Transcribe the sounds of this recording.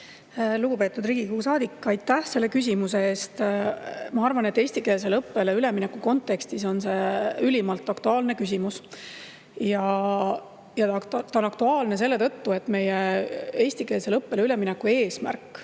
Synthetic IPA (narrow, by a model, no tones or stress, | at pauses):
luɡ̥upe̞ːt̪ːˑud̪riːɡ̥ikuusɑːd̪ikːˑɑjt̪ːˑæhse̞lːe̞kys̬ʲimuse̞eːst̪ | mɑɑrvɑne̞t̪ːˑe̞ːsʲt̪ike̞ːls̬e̞lɤpːe̞leyle̞minekːuko̞nt̪ːe̞kst̪iso̞nse̞ylʲimɑlt̪ːˑɑkt̪uɑːlne̞kysʲimus | jɑ | jɑt̪ɑonɑkt̪uɑːlne̞s̬e̞lːe̞t̪ɤ̞t̪ːue̞t̪ːˑme̞jee̞ːsʲt̪ikeːlse̞lɤpːe̞leyle̞minekːue̞ːsmæ̰rkˑː